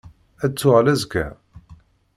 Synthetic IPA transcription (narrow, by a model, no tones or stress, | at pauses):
æt͡sːʊʁlæzkæ̰